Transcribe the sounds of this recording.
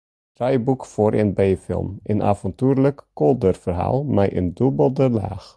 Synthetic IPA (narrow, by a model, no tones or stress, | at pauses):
trɛjbukfoːɾʔənbejfɪ̰lˠmʔəna̰ːvɔntyːrləkːɔlˠdərfərɦa̰ːlˠmɛjʔəndubəlˠdəla̰ːx